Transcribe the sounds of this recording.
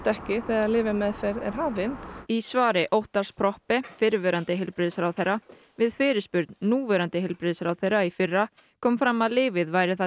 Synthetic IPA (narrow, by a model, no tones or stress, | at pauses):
t̪ɛhcɪθɛːɣaðlɪːvɪmɛðfɛɾɛɾ̥ɦaːvɪnisvaːɾɪʔowht̪aɾ̥spʰɾɔhpɪfɪɾvɛːɾant̪ɪɦɪlpɾɪːðsɾawθejrːa | vɪðfɪːɾɪ̥spʏɾt̪nnuːvɛːɾant̪ɪɦɪlpɾɪːðsɾawθejraifɪrːa | kʰɔːmfɾamːaðlɪːvɪðvajɾɪθa